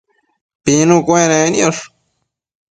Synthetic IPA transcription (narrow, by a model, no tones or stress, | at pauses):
pinũkʷẽnẽnĩoʂ